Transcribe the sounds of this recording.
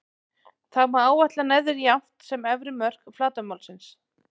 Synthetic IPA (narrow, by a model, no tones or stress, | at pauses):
θawmaaːwvaht̪lanɛðɪɾjam̥t̪sɛmɛvɾɪmœr̥kflaːt̪ʏmawlsɪns